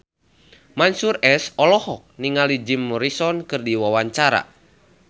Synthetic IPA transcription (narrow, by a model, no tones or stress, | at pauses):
mansuɾɛsɔlɔhɔk̚niŋalid͡ʒimːɔɾisɔnkɨrdiwawaɲt͡ʃaɾa̰